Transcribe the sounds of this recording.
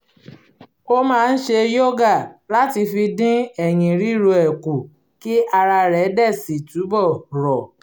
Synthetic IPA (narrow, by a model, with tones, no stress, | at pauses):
o˦mãː˦˧n̩˦ʃe˧jo˦ɡa˦˨la˦ti˧fi˧dĩ˦ɛ˨j̃ĩ˨ɾi˦˨ɾo˧ɛ˨ku˨ | ki˦ʔa˧ɾa˧ɾɛ˨˦dɛ˦˨si˨tu˨˦bɔ˦˨ɾɔ˨